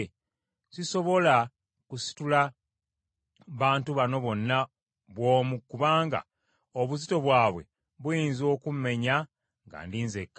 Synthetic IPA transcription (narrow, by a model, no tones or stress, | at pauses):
siso̞βo̞la | kusi̥tula | βaːntuβano̞βo̞nːa | βwo̞ːmukuβaːŋɡa̰ | oβuzito̞βwaːβwe̞̰ | βujiːnzo̞ːkum̩me̞ɲa | ŋɡa̰ːndiːnzekː